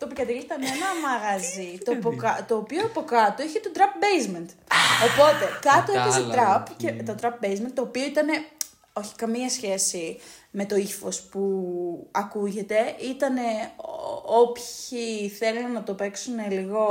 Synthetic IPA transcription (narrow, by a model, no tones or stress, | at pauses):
t̪opikɐt̪eʝit̪ɐnenɐmɐɣɐzit̪opokɐt̪o̞ːpioɐpo̞kɐt̪oiçet̪o̞d̪ɾɐp̚be̞jzment̪o̞po̞t̪e̞kɐt̪oepɐset̪ɾɐpcet̪o̞d̪ɾɐp̚bejzment̪oːpio̞it̪ɐne̞ | o̞çi̥kɐmiɐsçe̞sime̞t̪o̞ifo̞spuɐkuʝe̞t̪e̞ʔit̪ɐne̞ | o̞pçiθe̞lunnɐt̪o̞pe̞ksune̞liɣo̞